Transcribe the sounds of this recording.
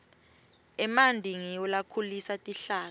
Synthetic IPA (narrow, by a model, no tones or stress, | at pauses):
ɛmandʱiŋiɔlakʰulisatʼiɬaː